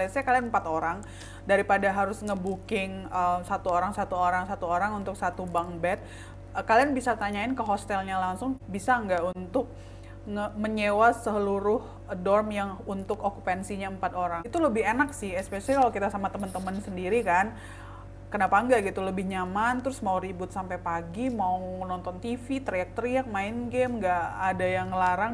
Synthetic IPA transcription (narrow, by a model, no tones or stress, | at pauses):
asakalianəmpat̪oɾaŋ | daɾipadaɦaɾʊsŋəbukɪŋəmsat̪uoɾaŋsat̪uoɾaŋsat̪uoɾaŋunt̪ʊk̚sat̪ubaŋbɛt̪̚ | əkalianbisat̪aɲaɪnkəɦost̪ɛlɲalaŋsʊŋbisaəŋɡaʔunt̪ʊk̚ | ŋəməɲewasəsəluɾʊh | dɔrmjaŋunt̪ʊkokupɛnsiɲaəmpat̪oɾaŋit̪uləbɪhenaksɪhɛspesalkalokit̪asamat̪əmənt̪əmənsəndiɾikan | kənapaŋɡaʔɡit̪uləbɪhɲamant̪ɾʊsmauɾibʊt̪̚sampajpaɡimauənɔnt̪ɔnt̪ifit̪ɾiak̚t̪ɾiak̚maɪnɡɛmŋɡaʔadajaŋəlaɾaŋ